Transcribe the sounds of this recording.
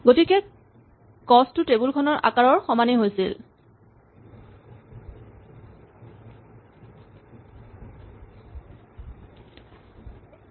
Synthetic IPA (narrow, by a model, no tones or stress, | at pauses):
ɡotikɛ | kɔstʊtebulkʰɔnɔɹʔa̰kaɹɔɹxɔmaniɦojsil